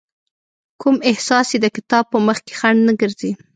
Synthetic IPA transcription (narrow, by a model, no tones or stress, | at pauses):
kumɪhsɑsjed̪əkɪ̥t̪ɑb̚pəməxke̥xaɳɖnəɡəɾzi